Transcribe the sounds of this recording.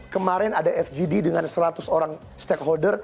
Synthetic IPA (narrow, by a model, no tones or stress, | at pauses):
kəmaɾɛnadaɛfd͡ʒididəŋansəɾat̪ʊsoɾaŋ | st̪ɛkɦɔldər